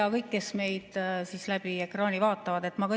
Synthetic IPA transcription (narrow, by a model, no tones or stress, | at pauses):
ɑkɤjkːe̞sme̞jd̪̥sislæb̥ie̞krɑːnʲivɑːt̪ːˑɑvɑd̪e̞t̪ːˑmɑkɤ